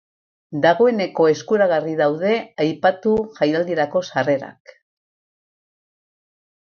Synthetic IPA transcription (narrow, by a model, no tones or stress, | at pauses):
d̪aɣ̞o̞e̞ne̞ko̞e̞skuɾaɣ̞ariðawð̞e̞ajpat̪uʝajald̪ieɾako̞sare̞ɾa̰k